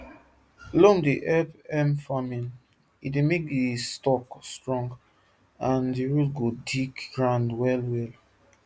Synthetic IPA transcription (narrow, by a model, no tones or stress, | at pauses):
lomdiʔɛpɛ̃mfamĩn | itdemek̚distɔkstɹɔ̃ŋɡ | ãndiɹulɡodikɡɹãndwɛlwɛl